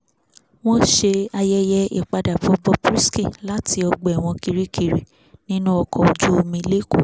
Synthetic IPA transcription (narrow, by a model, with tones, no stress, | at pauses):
w̃ɔ̃˦ʃe˧a˧jɛ˧jɛ˧ḭ˨k͡pa˧da˨bɔ˨˧bɔ˧˦pɾi˦ski˦˨la˦tʰi˧ɔ˧ɡ͡bɔ˨ɛ˨w̃ɔ̃˧ki˧ɾi˦ki˨ɾi˨ | nĩ˦nũ˦ɔ˧kʰɔ˨o˨d͡ʒu˦o˧mĩ˧le˦kṵ˨